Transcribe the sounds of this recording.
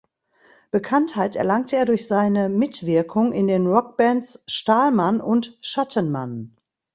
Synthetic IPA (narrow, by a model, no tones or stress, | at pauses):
b̥əkʰanthaɪtɛ̰ɐlaŋtʰəeːɐdʊɐçz̥aɪnəmɪtv̥ɪɐkʰʊŋɪndeːnʁɔk̚b̥ɛntsʃtaːlmanʔʊntʃatʰənma̰n